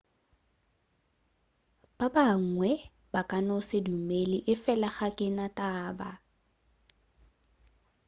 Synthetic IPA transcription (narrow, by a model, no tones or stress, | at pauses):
b̥abaŋ̩ŋwɛ | b̥akʼanɔsɪdumelɪʔɪfɛlaχakʼɪnatʼaːba